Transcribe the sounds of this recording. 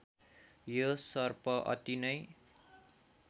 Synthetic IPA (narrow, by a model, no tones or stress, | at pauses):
josʌrpʌʔʌ̰t̪inʌj